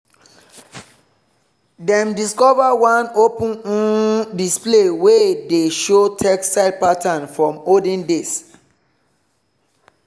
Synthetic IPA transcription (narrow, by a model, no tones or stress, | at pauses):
dɛ̃mdiskɔvawãnopũnũdisplewedeʃotʰɛksaɪd̚patʰãnfɹɔ̃modĩndes